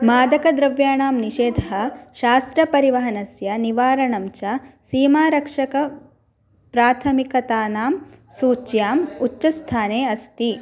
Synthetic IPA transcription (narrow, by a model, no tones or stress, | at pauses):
maːd̪ɐkɐd̪ɾɐʋjaːɳaːmniʃeːd̪ʱɐɦɐʃaːst̪ɾɐpɐɾiʋɐɦɐnɐsjɐniʋaːɾɐɳɐmt͡ʃɐsiːmaːɾɐkʂɐkɐ | pɾaːt̪ʰɐmikɐt̪aːnaːmsuːt͡ʃjaːmut͡ʃʃɐst̪ʰaːneːɐst̪i